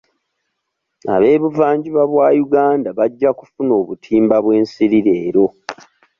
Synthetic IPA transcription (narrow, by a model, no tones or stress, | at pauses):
a̰βe̞ːβuvaːɲɟiβaβwaːjuɡaːndaβaɟːaku̥funo̞ːβutʰiːmbaβwe̞ːnsiɾiɾe̞ːɾo̞